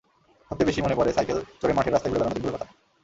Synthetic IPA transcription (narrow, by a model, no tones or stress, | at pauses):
ɔt̪ebeʃimonepɔɾesajkelt͡ɕoɾemaʈʰeɾast̪aɡuɭebɛlanod̪ikbulkɔt̪a